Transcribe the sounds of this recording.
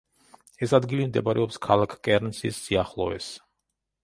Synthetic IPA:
ɛsad̪ɡilimd̪ɛpaɾɛɔpskʰalˠakʰkʼɛɾnsḭsːiaχlˠɔɛ̰s

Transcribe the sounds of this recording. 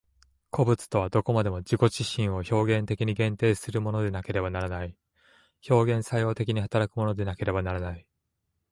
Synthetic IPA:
kʰo̞bɯ̟t͡sɨ̥t̪o̞β̞ad̪o̞ko̞mad̪e̞mo̞d͡ʑiko̞ʑiɕĩɰ̃o̞ço̞ːɡẽ̞nt̪e̞kʲiɲ̟iɡẽ̞nt̪e̞ːsɨɾɯ̟mo̞no̞d̪e̞nake̞ɾe̞banaɾanai | ço̞ːɡẽɰ̃sajo̞ːt̪e̞kʲiɲ̟iɦat̪aɾakɯ̟mo̞no̞d̪e̞nake̞ɾe̞banaɾanai

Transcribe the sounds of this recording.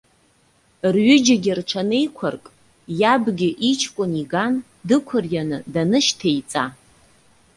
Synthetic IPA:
rɥʏd͡ʒaɡʲɪrʈ͡ʂʰane̞jkʷʰʊrkʼ | jabɡʲɪʔit͡ʃʰkʷʼʊniɡan | dɨkʷʰʊrjanɨdanɨʃtʰejt͡sʼa

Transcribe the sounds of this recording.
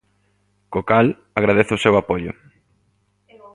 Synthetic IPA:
kokal | aɣɾaðeθʊsewapoʎʊ̰

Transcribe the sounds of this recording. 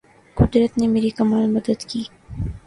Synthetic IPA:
kʊd̪ɾət̪nemeːɾikɐmaːlmɐd̪əd̪kiː

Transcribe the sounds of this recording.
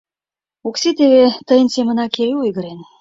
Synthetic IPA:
okset̪eβet̪əjənsemə̆nɑkeɾeojɣə̆ɾen

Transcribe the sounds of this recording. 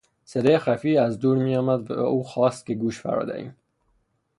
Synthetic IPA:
seɾexæfiːæzd̪uːɾmiːjɒːmæd̪væ̰æ̰uːxɒːst̪̚kʲeɡuːʃfæ̰ɾɒ̰ːd̪æ̰ḭːm

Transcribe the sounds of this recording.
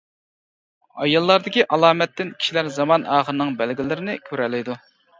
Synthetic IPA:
ɑjɑlˠːɑɾd̪ɪkʲiʔɑlˠɑːmɛt̪ːɪnkʲʰi̥ʃilæɾzɑmɑnɑːχəɾɨnɨŋbælɡʲɪlɪɾɪnɪkʲʰøɾɛlɪjd̪u

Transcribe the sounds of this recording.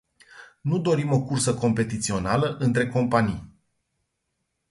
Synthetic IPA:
nud̪o̞ɾimo̞kursəko̞mpe̞t̪it̪sio̞naləʔɨnt̪ɾe̞ko̞mpanḭj

